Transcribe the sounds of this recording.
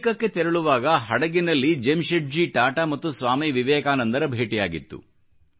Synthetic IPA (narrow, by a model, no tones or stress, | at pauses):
kɐkːet̪ɛɾɐɭuʋaːɡɐɦɐɽɐɡinɐlːid͡ʒemʃeʈ̚d͡ʒiʈaːʈamɐt̪ːusʋaːmiʋiʋɛːkaːnɐnd̪ɐɾɐbʱeːʈijaːɡḭt̪ːṵ